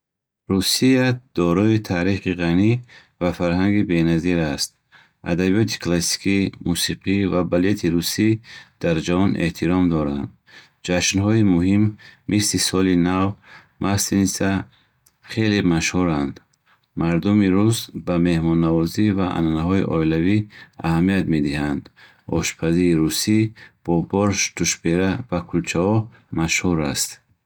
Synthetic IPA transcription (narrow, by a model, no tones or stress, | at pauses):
ɾusiad̪̥ɔɾɔit̪ʰaɾiχiʁani | vafaɾhaŋɡibe̞naziɾast̪̚ | a̰d̪abijɔt̪ʰi̥kʰlasi̥kʰimusiqʰivabalet̪ʰiɾusid̪̥aɾd͡ʒavɔnʔe̞̰ht̪ʰiɾɔmd̪ɔɾand̪ | d͡ʒaʃnɦɔimuɦimːislisɔlinav | mʔasinisa | χe̞lemaʃhuɾand̪ | maɾd̪umiɾuzbame̞hmɔnːavɔzivaʔa̰nanaɦɔḭʔɔilaviahamiat̪me̞d̪ihand̪ | ɔ̰ʃpʰaziɾiɾusib̥ɔbɔɾʃt̪uʃbeɾavakʰult͡ʃʰahɔ | maʃhuɾast̪